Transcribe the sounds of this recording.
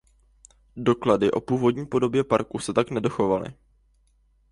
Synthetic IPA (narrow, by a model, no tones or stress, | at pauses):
do̞kladɪʔo̞̰puːvo̞dɲiːpo̞do̞bjɛpaɾkusɛt̪aknɛdo̞xo̞valɪ̰